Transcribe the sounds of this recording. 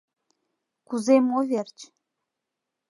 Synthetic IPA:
kuzemoβert͡ɕ

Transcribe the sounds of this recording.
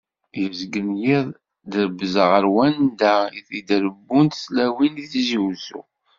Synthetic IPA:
jəzɡənjiðˤ | d̪ɾəbəzəʁəɾwænd̪æiθid̪ɾəbːunt̪slæwiniθʒiwzṵ

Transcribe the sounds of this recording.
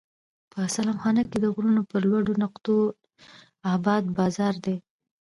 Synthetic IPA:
pəsalɑmxɑnəked̪əɣɾunopəɾlwaɖonaqt̪o | abɑd̪̚bɑzɑɾd̪e

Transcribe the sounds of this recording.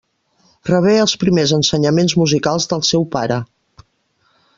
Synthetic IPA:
rəβ̞eəlˠspɾimezənsəɲəmenzmuzikalˠzðəlˠsɛwpaɾə

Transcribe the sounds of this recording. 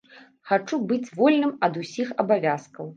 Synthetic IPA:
xat͡ʂubɨt͡sʲvɔlʲnɨmɐd̪usʲixɐbavʲaskɐw

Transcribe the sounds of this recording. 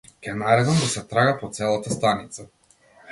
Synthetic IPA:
kʲɛnaɾɛd̪ɔmd̪asɛt̪ɾaɡapɔt̪sɛlˠat̪ast̪anit̪sa

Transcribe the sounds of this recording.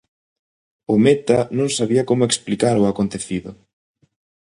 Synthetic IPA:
ʊmɛt̪ɐnõŋsaβiɐkomʊeksplikaɾʊakont̪eθiðʊ

